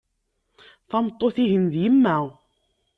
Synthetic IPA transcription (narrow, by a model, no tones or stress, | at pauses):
θɑmt̪ˤːoθiɦənðjəmːæ